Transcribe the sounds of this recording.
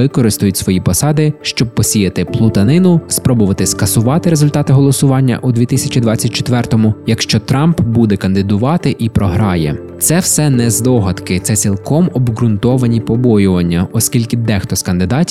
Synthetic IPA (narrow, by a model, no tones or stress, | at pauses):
ɪkɔɾɪst̪ʊjʊtʲsʋɔjipɔsɑd̪ɪʃt͡ʃɔb̚pɔsʲijɐt̪ɪplˠʊt̪ɐnɪnʊspɾɔbʊʋɐt̪ɪskɐsʊʋɑt̪ɪɾezʊlʲt̪ɑt̪ɪɦɔlˠɔsʊʋɑnʲːɐ̰ʔud̪ʲʋʲit̪ɪsʲɐt͡ʃid̪ʋɑt͡sʲːɐt̚ʲt͡ʃe̥t̪ʋɛrt̪ɔmʊjɐkʃt͡ʃɔt̪ɾɑmpbud̪ɛkɐnd̪ɪd̪ʊʋɑt̪ɪʔipɾɔɦɾɑjɛ̰ | t̪sɛwsɛnɛzd̪ɔɦɐd̪kɪt̪sɛt͡sʲilˠkɔmɔbɡɾʊnt̪ɔʋɐnʲipɔbɔjʊʋɐnʲːɐɔskʲilʲkɪd̪ɛxt̪ɔskɐnd̪ɪd̪ɑtʲ